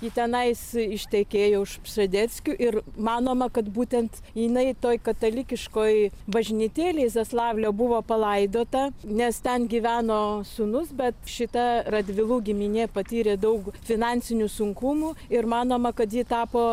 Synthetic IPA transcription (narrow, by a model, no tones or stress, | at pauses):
jit̪ʲɛnɐɪsɪʃʲt̪ʲɛkʲeːjoːɪʃpsɐd̪ʲɛsʲkʲuʔɪrmɑːnoːmɐkɐt̪buːt̪ʲɛnt̪ | jɪnɐɪt̪oːjkɐt̪ɐlʲɪkʲɪʃkoːjbɐʒʲnʲit̪ʲeːlʲɛɪsɐslˠɑːʋʲlʲoːbʊʋoːpɐlˠɐɪd̪oːt̪ɐnʲɛst̪ʲɛnɡʲiʋʲæːnoːsʊnʊsbʲɛt̪ʃʲɪt̪ɐrɐd̪ʲʋʲɪlˠuːɡʲɪmʲinʲeːpɐt̪ʲiːɾʲeːd̪ɐʊkfʲɪnɑnʲsʲɪnʲusʊŋkʊmuɪrmɑːnoːmɐkɐt̪jiːt̪ɑːpoː